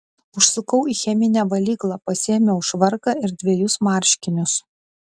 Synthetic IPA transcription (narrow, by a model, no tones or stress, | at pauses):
ʊʃsʊkɐʊiːxʲɛmʲɪnʲɛʋɐlʲiːklˠɑːpɐsʲiɛmʲɛʊʃʋɐɾkɑɪɾd̪ʲʋʲeɛjʊsmɑˑɾʲʃʲkʲɪnʲʊs